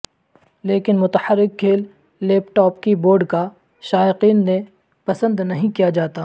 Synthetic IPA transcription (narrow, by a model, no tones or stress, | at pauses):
leːkɪnmʊt̪əħəɾːɪk̚kʰːeːlː | ɛːpʈɔːpkiboːɾɖka | ʃaːɪqiːnːe | pɐsə̃nd̪nɐɦĩkijad͡ʒaːt̪aː